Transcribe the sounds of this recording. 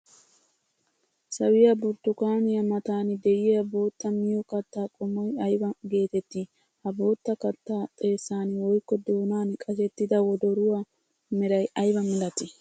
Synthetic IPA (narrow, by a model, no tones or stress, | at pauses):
sɐwɪjɐbʊɾt̪ʊkaːnɪjɐmɐt̪aːnɪd̪ɛjɪjɐbo̞ːt̪ːɐmɪjɔkɐt̪ːaːkʼʊmɔjɐjbɐɡe̞ːt̪ɛt̪ːɪ | hɐbo̞ːt̪ːɐkɐt̪ːaːt̪ʼe̞ːsːaːnwɔjkːɔd̪oːnaːnkʼɐsɛt̪ːɪd̪ɐwɔd̪ɔɾʊwɐ | mɪɾɐjʔɐjbɐmɪlɐt̪ɪ